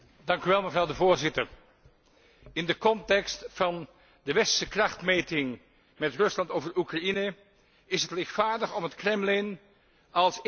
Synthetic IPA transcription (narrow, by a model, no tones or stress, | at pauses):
dɑŋkyʋɛlˠməvrɑwdəvʊːɹzɪtəɹ | ɪndəkɔntɛkstfɑn | dəʋɛsəkrɑχtmejtɪŋ | mɛtrɵslɑntowvəɹukrɑinə | ɪsɦətlɪχtfaːɹdəχɔmɦətkrɛmlɪn | ɑlˠs